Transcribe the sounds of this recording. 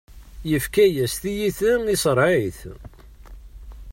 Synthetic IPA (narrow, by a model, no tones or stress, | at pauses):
jəfkæjæst̪ijiθənisəɾˤʕiθ